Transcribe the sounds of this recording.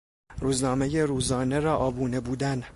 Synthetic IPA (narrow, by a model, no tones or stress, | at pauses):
ruːznɒːmeje̞ɾuːzɒːne̞ɾɒːʔɒːbuːne̞buːd̪æn